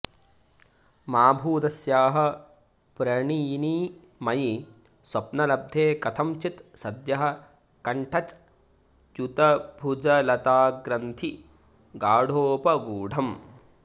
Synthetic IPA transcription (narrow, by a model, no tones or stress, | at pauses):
maːbʱuːt̪ɐsjaːɦɐ̆ | pɾɐɳijiniː | mɐji | swɐpnɐlɐb̚d̪ʱeːkɐt̪ʰɐmt͡ʃit̪sɐd̪jɐɦɐ̆ | kɐɳʈʰɐt͡ʃ | jut̪ɐbʱud͡ʒɐlɐt̪aːɡɾɐnt̪ʰi | ɡaːɽʱoːpɐɡuːɖʱɐm